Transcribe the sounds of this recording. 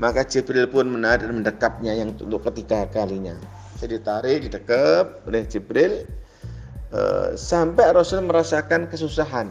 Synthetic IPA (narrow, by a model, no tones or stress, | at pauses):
makat͡ʃipɾɪlpʊnmənad̚anməndəkap̚ɲajaŋt̪ut̪ʊkːət̪ikakaliɲa | sədit̪aɾɪhdidəkəp̚lɛht͡ʃipɾɪl | ə̰sampɛɾosəlməɾasakankəsusaɦan